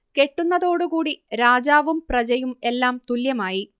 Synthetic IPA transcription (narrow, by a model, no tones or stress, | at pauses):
ke̞ʈːunːɐðo̞ːɽukuːɽiɾaːd͡ʑaːʋumprɐd͡ʑɐjume̞lːaːmt̪uljɐmaːji